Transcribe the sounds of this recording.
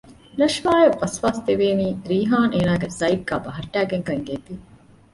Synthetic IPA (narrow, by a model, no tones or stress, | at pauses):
lɐʂʋaːjeʋɐsʋaːst̪eʋeːniːɾiːɦaːnʔeːnaːɡesɐjʈ̚ɡæːbɐɦɐʈːæːɡeŋkɐŋɡeːt̪i